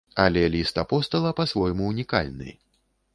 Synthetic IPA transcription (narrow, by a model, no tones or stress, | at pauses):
ɐlʲɛlʲist̪apɔst̪ɐlˠɐpɐsvɔjmuːnʲika̰lʲnɨ̰j